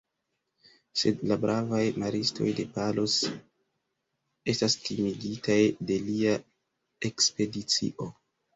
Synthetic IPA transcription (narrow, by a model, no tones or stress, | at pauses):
se̞dlabɾʔavajmaɾistʰo̞̰jde̞palos | e̞stastimiɡitajde̞lia | e̞kspe̞dit͡sḭʔo̞